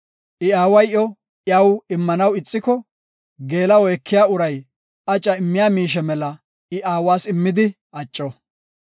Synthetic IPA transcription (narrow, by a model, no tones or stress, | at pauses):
ʔɪaːwɐjʔɔ | ʔjɐwɪmːɐnɐwɪt͡sʼːɪkɔ | ɡe̞ːlɐwɔɛkʰːɪjaːʊɾɐj | ʔɐt͡ʃʼːɐɪmːɪjaːmiːʃ̬ɛmɛlɐ | ɪʔaːwaːsɪmːɪd̪ɪ | ɐt͡ʃʼːɔ